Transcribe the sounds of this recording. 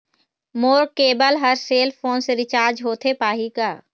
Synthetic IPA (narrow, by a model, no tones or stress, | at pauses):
moːɾkeːbəlɦəɾseːlpʰoːnseɾɪt͡ʃaːɾd͡ʒɦoːt̪ʰepaːɦikaː